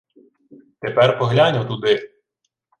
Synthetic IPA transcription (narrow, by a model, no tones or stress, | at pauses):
t̪epɛrpɔɦlʲanʲɐwt̪ud̪ɪ